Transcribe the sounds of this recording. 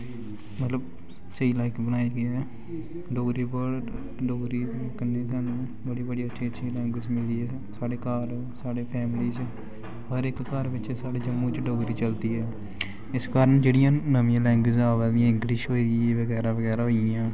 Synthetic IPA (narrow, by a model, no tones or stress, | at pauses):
mət̪ləb | seiːlaːɪkbənaːiːɡəɛː | ɖoːɡɾiːbəɽ | ɖoːɾiːt̪õːkənːẽːsaːnũː | bəɽiːbəɽiːətːʃʰiːətːʃʰiːlɛ̃ːŋɡwɪd͡ʒmɪliːɛː | saːɽeːkaːɾ | saːɽeːpʰɛːmliːt͡ʃ | ɦəɾɪkkaːɾʋɪt͡ʃsaːɽeːd͡ʒəmːũːt͡ʃɖoːɡɾiːt͡ʃəlt̪iːɦɛː | ɪskaːɾəɳd͡ʒeːɽijãːnəmĩjãːlɛ̃ːŋɡwɪzaːʋəːd̪ijãːɪ̃ŋɡlɪʃɦoːiːɡiːeːʋəɡɛːɾaːʋəɡɛːɾaːɦoːiãː